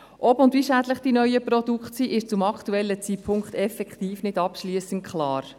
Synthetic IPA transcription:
ʔɔpʊndviʃæːdləχd̥inœjəpɾɔd̥ukχtsiʔɪʃt͡sʊmɑkt̪uɛlːət͡sipʰʊŋkχt̪ɛfɛkχt̪iːfnɪdɑpʃliəsənt̚kχlɑːɾ

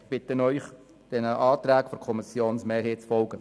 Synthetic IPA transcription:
b̥ɪtənœʏχ | d̥ɛnəʔɑːt̪ɾæːkfɔɾkʰɔmɪsjoːnsmeːɾheːtt͡sfɔlɡə

